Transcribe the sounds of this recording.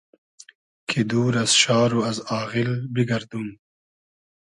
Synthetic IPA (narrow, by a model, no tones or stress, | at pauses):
kʰid̪uːɾɐsʃɑːɾuɐzɑːɣilbiɡɐɾd̪um